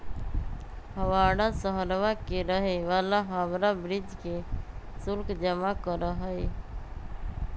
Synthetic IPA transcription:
həʋaːɽasəɦəɾʋakeɾəɦeʋaːlaɦaʋɾabɾɪd͡ʒkesʊlkd͡ʒəmakəɾəɦəe

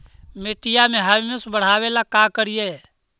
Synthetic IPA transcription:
meʈɪjamẽɦaʋmesbəɽ̤aːwelakakəɾije

